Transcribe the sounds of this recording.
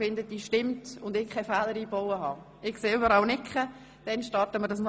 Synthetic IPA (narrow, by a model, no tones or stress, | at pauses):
fɪndəd̥iːʃtɪmtʊndɪkʰːɛfæːləɾiːbɔwəɦɑ̰ː | ɪkkseːʏbəɾɑlnɪkχə | d̥ɛnʃtɑrtəməɾdɑsn